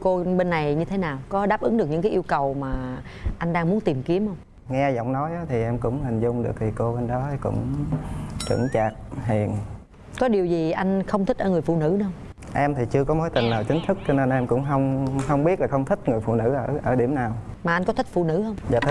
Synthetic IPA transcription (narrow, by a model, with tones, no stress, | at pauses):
ko˧ɓe˧nːa˨˩jɲɨ˧t̪ʰe˨˦naː˨˩wkɔ˨˦ɗaː˦˥p̚ʔɨ˨˦ŋɗɨ˨˩k̚ɲɨ̰˧˥ŋkaː˨˦ʔi˧wkə˨˩wmaː˨˩ | ʔa˧jŋ̟ɗaː˧ŋmu˨˦ənt̪i˨˩mki˨˦əmhə˧wŋ͡m | ŋɛ˧zɔ̰˧˨wŋ͡mnɔ˨˦jʔaː˨˦t̪ʰi˨˩ʔɛ˧mkʊ̰˧˥wŋ͡mhï˨˩ŋ̟zʊ˧ŋ͡mɗɨ˨˩ək̚t̪ʰi˨˩ko˧ɓe˧nɗɔ˨˦t̪ʰi˨˩kʊ̰˧˥ŋ͡m | t͡ɕɨ̰˧˩əŋt͡ɕaː˨˩k̚ɦi˨˩ən | kɔ˨˦ɗi˨˩əwzi˨˩ʔa˧jŋ̟xə˧wŋ͡mt̪ï˦˥k̚ʔəː˧ŋɨ˨˩əjfṵ˧˨nɨ̰˧˥nɨ˨˦hə˧wŋ͡m | ʔɛ˧mt̪ʰi˨˩t͡ɕɨ˧kɔ˨˦mo˨˦jt̪ï˨˩ŋ̟laː˨˩t͡ɕï˨˦ŋ̟t̪ʰɨ˦˥k̚t͡ɕɔ˧ne˧nʔɛ˧mkʊ̰˧˥ŋ͡mɦə˧wŋ͡mhə˧wŋ͡mɓi˦˥ət̚laː˨˩xə˧wŋ͡mt̪ʰï˦˥k̟̚ŋɨ˨˩əjfṵ˧˨nɨ̰˧˥ʔəː˧˩ʔəː˧˩ɗi˧˩əmnaː˨˩wmaː˨˩ʔa˧jŋ̟kɔ˨˦t̪ʰï˦˥k̚fṵ˧˨nɨ̰˧˥hə˧wŋ͡mza˧˩t̪ʰ